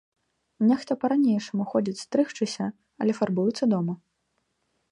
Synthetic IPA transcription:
nʲɛxt̪ɔpɐɾanʲejʂɐmuxɔd͡zʲit͡sʲst̪ɾɨxt͡ʂɨsʲɐ | ɐlʲɛfarbujut̪sːɐd̪ɔmɐ

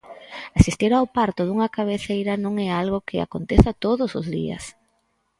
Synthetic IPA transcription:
asist̪iɾawpaɾt̪ʊðuŋɐkaβ̞eθejɾɐnõŋɛalɣʊkɪa̰kont̪eθat̪oðʊsʊzðḭɐ̰s

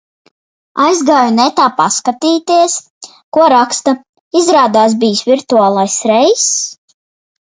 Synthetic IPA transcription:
a̰jzɡaːjunɛt̪aːpaskat̪iːt̪iɛs | kuɔɾakst̪a | izɾaːd̪aːs̬biːsvʲiɾt̪uaːlˠajsɾɛjs

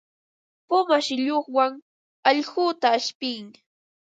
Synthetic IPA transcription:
pʊmaʃɪʎoχwaŋ | ɑʎɢuːt̪aːʃpɪŋ

